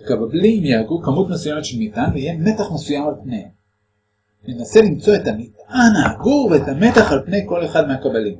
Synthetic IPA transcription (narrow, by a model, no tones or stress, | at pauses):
kabablimjaaɡukamutmesujemet̪ʃelmitʔanvejeme̞taχme̞sujamalpnejhem | nenase̞limt͡so̞e̞tamitʔanaaɡuveetame̞taχalpne̞jko̞le̞χad̪meakabalim